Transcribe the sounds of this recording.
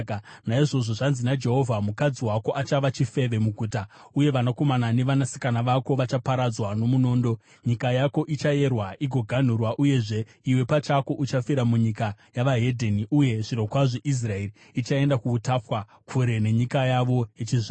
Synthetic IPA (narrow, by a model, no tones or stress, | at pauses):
naiʐo̞ʐo̞ʐanzinad͡ʒe̞ɦo̞vʱamukad͡ziwako̞ʔat͡ʃaʋat͡ʃife̞ʋe̞muɡʱuːta | uje̞ʋanako̞manane̞ʋanasi̥kanaʋako̞ʋat͡ʃapaɾad͡zwano̞muno̞ːndo̞ | ɲikajako̞ʔit͡ʃaje̞rwaʔiɡʱo̞ɡʱan̤urwaʔuje̞ʐe̞ | iwe̞pat͡ʃako̞ʔut͡ʃafiɾamuɲikajaʋaɦe̞dʱeniʔuje̞ʐiɾo̞kwaʐeʔis̬rae̞riːt͡ʃae̞ndakuːtafwa | kʰuɾe̞ne̞ɲikajaʋo̞jet͡ʃiza